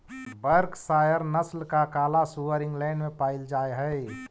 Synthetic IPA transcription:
bəɾksaːjəɾnəslkakaːlasuʋəɾɪ̃ŋɡlɛ̃ːnmẽpaːɪld͡ʒaːeɦɛ

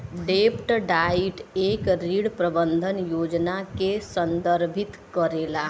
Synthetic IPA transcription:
ɖepʰʈɖaiʈekɾiɽpɾəbənd̪ʱənjod͡ʒnakesənd̪əɾbʱit̪kəɾela

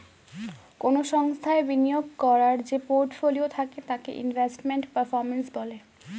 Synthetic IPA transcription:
konoʃɔŋst̪ʰaebinijoɡ̚kɔɾaɾd͡ʑepoɾʈfoliot̪ʰaket̪akḛʔḭnvʱesʈmeɳʈpəɾfɔɾmensbɔle

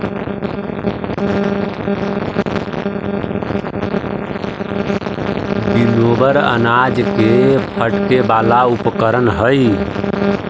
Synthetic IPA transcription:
b̪inobəɾə̰nad͡ʒkepʰəʈkebalaupkəɾənɦəj

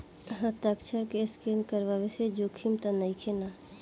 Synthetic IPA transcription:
ɦət̪əkt͡ʃʰəɾkeskinkəɾʋaʋesed͡ʒoːkʰimt̪anəikʰena

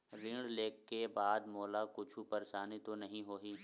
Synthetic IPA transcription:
ɾɪ̃ɽleːkːebaːd̪moːlakʊt͡ʃʰupɐɾeʃaːnit̪onɐɦĩɦoːɦiː

